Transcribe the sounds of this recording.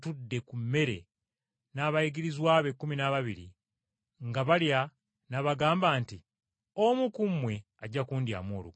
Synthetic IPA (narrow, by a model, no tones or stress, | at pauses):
tudːe̞kumːe̞ɾe̞̰ | naβaiɡiɾizwaːβekːuminaβaβiɾḭ | ŋɡaβalja | naβaɡaːmbaːnti | omukumːwe̞ | aɟːakuːndja̰mwoːlu